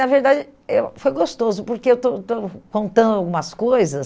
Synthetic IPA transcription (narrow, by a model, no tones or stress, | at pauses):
nɐveɾd̪ad͡ʒɪewfojɡost̪ozʊpoɾkeewt̪ot̪okõnt̪ɐ̃nd̪ʊawɡũmɐskojzɐs